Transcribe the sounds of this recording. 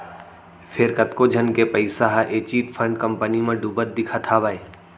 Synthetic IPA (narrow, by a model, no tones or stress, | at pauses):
fʰɪɾkɐt̪kod͡ʒʱənkepɐɪsaɦaʔeːt͡ʃiːʈpʰə̃ɳɖkɐ̃mpənimẽɖuːbət̪̚d̪ɪkʰat̪ʰaʋaːe